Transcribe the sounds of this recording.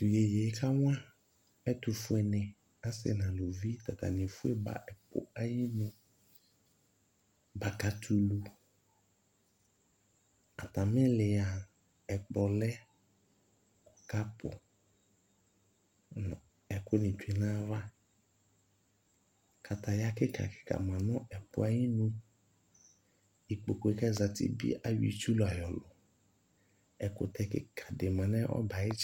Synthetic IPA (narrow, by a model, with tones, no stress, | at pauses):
tu˨je˨je˨˦kʰa˦wã˦ | ɛ˦tu˨fʊ˦˨ɛ˨nɛ̃˨ | a˦sɪ̰˦nã˨lo˨vi˦t̪a˨ta̰˨nɪ̃˨fu˦e˦ba̰˨ʔɛ˨pʊ̰˨a˦ji˦mũ˦ | ba˨ka˨tʰu˨lu˨ | a̰˨ta˨mɪ̃˦lɪ˨a˨ | ɛ˨k͡pɔ˨lɛ˦˨ | ka˦pʰʊ̰˨ | ɛ˨kʊ˦nɪ̃˨tu˨e˨nã˦va˦ | kʰa˨t̪a˨ja˦kɪ˦ka̰˨kɪ̥˨ka̰˨mã˨nʊ̃˦ʔɛ˨pʊ̰˦a˦ji˦nũ˦ | i˨k͡po˨ko˨e˨ka˦za˨tɪ̰˨bḭ˦ʔa˦wḭ˨tu˦lʊ˨a˨jɔ˨lʊ˨ | ɛ˨kʊ̰˨t̪ɛ˦kɪ̰˨kʰa˨dɪ˨mã˨nɛ˦ʔɔ̰˦ba˨ɪ˦t͡ʃ